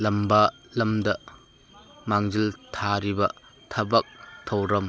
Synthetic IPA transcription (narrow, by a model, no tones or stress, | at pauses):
lɐmbɐ | lɐmdɐ | maŋziltʰaɾibɐ | tʰɐbɐk̚tʰɐwɾɐm